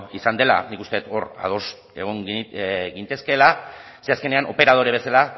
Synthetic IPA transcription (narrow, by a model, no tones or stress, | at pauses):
isand̪e̞la̰nikust̪e̞et̪o̞ra̰ð̞o̞s | e̞̰ɣ̞oŋɡint̪e̞ske̞la | seaske̞ne̞anʔo̞pe̞ɾað̞o̞ɾeβe̞sala